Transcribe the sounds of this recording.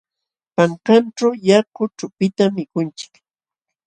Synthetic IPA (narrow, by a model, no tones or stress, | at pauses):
paŋkanʈ͡ʂawjakʊʈ͡ʂʊpɪt̪amːɪkʊnt͡ʃɪ̥k